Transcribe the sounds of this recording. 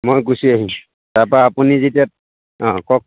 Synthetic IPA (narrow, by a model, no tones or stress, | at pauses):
mojɡusiaɦĩ | taɹpaːpunizetiat̚ | ɔ̃kɔk̚